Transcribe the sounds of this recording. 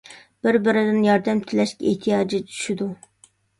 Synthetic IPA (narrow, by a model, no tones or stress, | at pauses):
b̥ɪɾbɪɾɪd̪ɪnjɑɾd̪ɛmt̪ʰɪlɛʃkʲɛeht̪ʰijɑːd͡ʒit͡ʃʰy̥ʃid̪u